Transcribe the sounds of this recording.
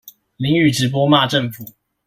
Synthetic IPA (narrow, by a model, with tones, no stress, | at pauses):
li˧˥ŋy˨˩ʈ͡ʂɻ̩˨˥p̬wɔ˥ma˥˧ʈ͡ʂə˥˨ŋfu˨˩˦